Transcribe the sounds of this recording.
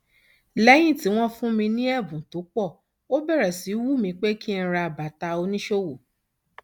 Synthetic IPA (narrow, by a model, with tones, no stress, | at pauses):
lɛ˦j̃ĩ˦˨ti˨˦w̃ɔ̃˦fũ˦mĩ˧nĩ˦ɛ˦˨bũ˨to˨˦k͡pɔ˦˨ | o˦bɛ˦˨ɾɛ˨si˨˦wu˦˨mĩ˧k͡pe˦ki˦n̩˧˦ɾa˧˨ba˨ta˧o˧nĩ˦ʃo˦˨wo˨